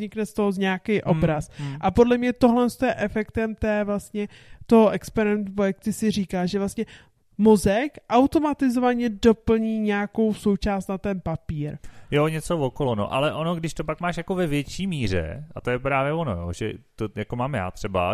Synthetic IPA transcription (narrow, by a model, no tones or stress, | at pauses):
ɲɪknɛst̪oɦozɲaːkɪjʔo̞bɾasʔapo̞dlɛmɲɛt̪oɦlɛnst̪ojɛʔɛfɛkt̪ɛmt̪ɛːvlast̪ɲɛ | t̪oɦoʔɛkspɛɾɪɛnt̪upojɛkt̪ɪsɪr̝iːkaːʒɛvlast̪ɲɛ | mozɛkʔawt̪o̞mat̪ɪzovaɲɛdo̞pl̩ɲiːɲɛako̞wso̞wt͡ʃaːst̪nat̪ɛnpapiːɾjoɲɛt͡sovokolono̰ʔa̰lɛʔono̞ɡdɪʃt̪opakmaːʃjako̞vɛvjɛt͡ʃiːmiːr̝ɛ̰ʔat̪ojɛpɾaːvjɛvono̰jo̰ʒɛ̰t̪ojakomaːmja̰ːt̪r̝̥ɛba̰